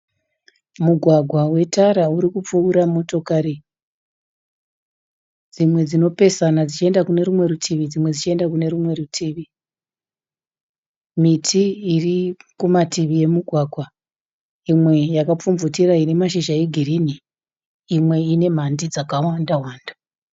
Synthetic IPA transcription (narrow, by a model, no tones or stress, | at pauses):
muɡʱwaɡʱwawe̞taɾauɾikup͡fuːɾamo̞to̞kaɾi | d͡zimwe̞d͡zino̞pe̞sanad͡zit͡ʃie̞ndakune̞ɾumwe̞rutʰiʋid͡zimwe̞d͡zit͡ʃie̞ndakune̞ɾumwe̞rutʰiːʋi | mitʰiːrikumatiʋije̞muɡʱwaɡʱwa | imwe̞jakap͡fumvutiraine̞maʃiʒaeɡʱiriniː | mwe̞ine̞m̤andid͡zakawandawaːnda